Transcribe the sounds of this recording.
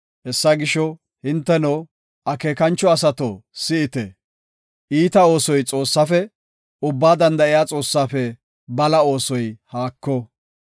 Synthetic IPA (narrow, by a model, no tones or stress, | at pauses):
hɛsːɐɡɪʃɔ | hɪnt̪ːɛno | ʔɐke̞ːkɐnt͡ʃːɔɐs̬ɐt̪ɔsɪɪt̪ɛ | ʔiːt̪ɐo̞ːsɔjt͡sʼo̞ːsːɐfɛ | ʊbːaːd̪ɐnd̪ɐʔɪjaːt͡sʼo̞ːsːaːfɛ | bɐlɐo̞ːsɔjhaːkːɔ